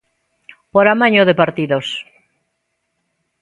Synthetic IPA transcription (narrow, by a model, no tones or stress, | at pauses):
poɾamaɲoðepaɾt̪iðos